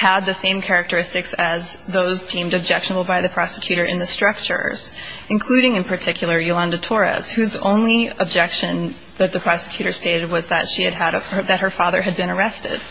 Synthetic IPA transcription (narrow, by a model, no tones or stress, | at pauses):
əd̪̚ðɨsẽɪ̃mkʰɛɹɨk̚tə˞ɪstɨksɨzðoʊzdĩmdɨb̚d͡ʒɛkʃənəbl̩ˠbaɪðɨpʰɹ̥ɑsɨ̥kʰj̥ʉɾə˞ʔɨ̰̃nðɨstɹ̥ʌk̚t͡ʃə̰˞z̥ɨ̃nkʰl̥ʉɾɪ̃ŋɨ̃npʰə˞tʰɪkʰjl̩ˠə˞julɑ̃ndɨtʰɔɹɨ̰z̥hʉzõ̰ʊ̃nliəb̚d͡ʒɛkʃɨ̃n | ðɨt̪̚ðɨpʰɹ̥ɑsə̥kʰj̥ʉɾə˞steɪɾɨd̚wʌzðɨtʃiɨd̚ɨɾðɨt̚hə˞fɑðə˞ɨd̚bɨ̃ñə˞ɛstɪ̰d̥̚